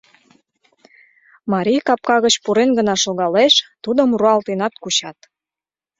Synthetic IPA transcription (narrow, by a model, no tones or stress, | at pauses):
mɑɾʲijkɑp̚kɑɣət͡ɕpuɾenɡənɑʃoɣɑleʃt̪ud̪əmruɑlt̪enɑt̪kut͡ɕɑt̪